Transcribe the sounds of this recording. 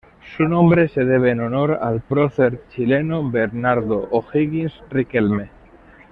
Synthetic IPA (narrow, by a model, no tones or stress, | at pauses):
sunõmbɾese̞ð̞e̞β̞eːnono̞ɾa̰lpɾoθeɾt͡ʃilenobeɾnaɾðoʔoxiɣinsrikelme